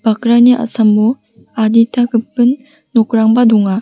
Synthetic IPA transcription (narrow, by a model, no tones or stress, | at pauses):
b̥akɾaniʔa̰samːu | aditʰakɯpːɯnː | okɾaŋbaduŋa